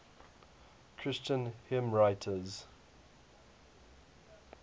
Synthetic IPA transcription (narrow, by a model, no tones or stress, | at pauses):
kʰɹ̥ɪst͡ʃə̃nhɪmɹaɪtʰəz